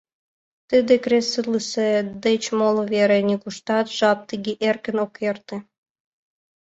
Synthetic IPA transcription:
t̪ɨd̪ĕkresɨlɨsed̪et͡ɕmolˠoβeɾĕnʲikuʃt̪ɑt̪ʒ̥ɑp̚t̪ɨɡʲeʔerkə̆nokjert̪ĕ

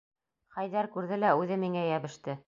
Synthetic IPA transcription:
χæjðæɾkʉɾðɘlæʉðɘmːiŋæjæβɘ̆ʃt̪ɘ

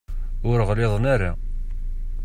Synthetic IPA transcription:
ʊɾəʁlɪðˤnaɾa

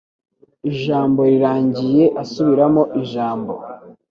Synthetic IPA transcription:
iʒaːmbo̞ɾiɾaːɲɟije̞ʔasuβiɾamo̞ʔiʒaːmbo̰

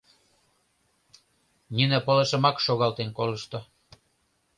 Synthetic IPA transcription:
nynə̆pəleʃə̆mɑkʃoɣɑlt̪enkoləʃt̪o

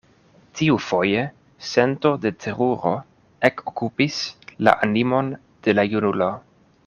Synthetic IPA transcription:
tiufo̞je̞ | se̞nto̞de̞tʰe̞ɾuɾo̞̰ | e̞kokupisla̰ʔanimo̞n | d̥e̞lajunulo̞

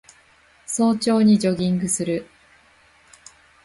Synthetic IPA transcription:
so̞ːt͡ɕo̞ːɲ̟id͡ʑo̞ɡʲĩŋɡɯ̟sɨɾɯ̟

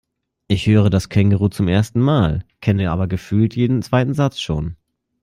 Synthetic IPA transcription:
ʔɪçhøːʁ̞ədaskʰɛŋɡəʁuːt͡sʊmʔeːɐstn̩maːlkʰɛniʔa̰ːbɐɡəfyːltʰjeːdn̩t͡sv̥aɪtn̩zat͡sʃoːn

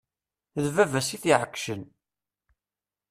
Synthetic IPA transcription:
ðvævæsiθiʕəkːʃən

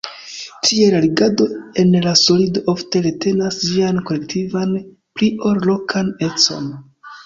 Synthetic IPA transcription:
tʰielaliɡado̞e̞nlaso̞lido̞ʔofte̞ɾete̞nasd͡ʒianko̞le̞ktʰivan | plio̞ɾlo̞kʰane̞t͡so̞̰n

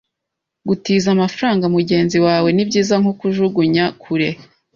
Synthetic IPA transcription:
ɡutiːzamafɾaːŋɡamuɟe̞ːnziwaːwe̞nibɟiːzaŋhokuʒuɡuɲakʰuɾe̞

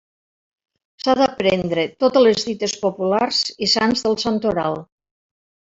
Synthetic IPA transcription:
saðapɾend̪ɾet̪ot̪elezðit̪espopularzisanzðəlˠsant̪oɾa̰lˠ

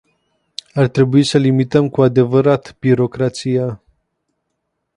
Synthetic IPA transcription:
art̪ɾe̞buisəlimit̪əmkuad̪e̞vəɾat̪b̥iɾo̞kɾat̪sija

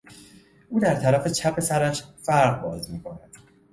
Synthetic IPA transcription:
ʔuːd̪æɾt̪ʰæɾæfe̞t͡ʃʰæpʰesæɾæʃfæɾɢbɒːzmiːkʰo̞næd̪̥

